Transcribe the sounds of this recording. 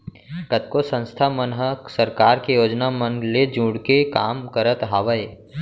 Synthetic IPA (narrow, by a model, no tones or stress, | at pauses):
kət̪̚kosə̃nst̪ʰamənɦəsɐɾkaːɾkejoːd͡ʒnamənɡled͡ʒũːɽkekaːmkəɾət̪ɦaːʋəe